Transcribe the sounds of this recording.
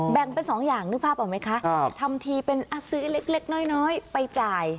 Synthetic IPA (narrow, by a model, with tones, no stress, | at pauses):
bɛ˨˩ŋpe˧nsɔː˩˦ŋjaː˨˩ŋnɯ˦˥k̚pʰaː˥˩p̚ʔaː˨˩ma˦˥jkʰa˦˥ʔʰt̪ʰa˧mt̪ʰiː˧pe˧nʔa˧˩sɯː˦˥le˦˥k̚le˦˥k̚nɔː˦˥jnɔː˦˥jpa˧jt͡ɕaː˨˩j